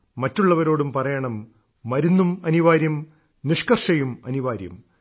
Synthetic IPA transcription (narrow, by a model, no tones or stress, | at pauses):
mɐtːuɭːɐʋɐɾo̞ːɽumpɐrɐjɐɳɐmː | ɐɾunːumɐniʋaːɾjɐm | niʂkɐrʂɐjumɐ̰niʋaːɾjɐ̰m